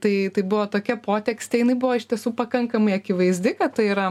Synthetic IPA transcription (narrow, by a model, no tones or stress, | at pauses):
t̪ɐɪt̪ɐɪbʊʋoːt̪oːkʲɛpoːt̪ʲɛksʲt̪ʲɛjɪnɐɪbʊʋoːɪʃt̪ʲiɛsuːpɐkɐŋkɐmɐɪɐkʲɪʋɐɪzʲd̪ʲɪkɐt̪tɐɪiɾɐ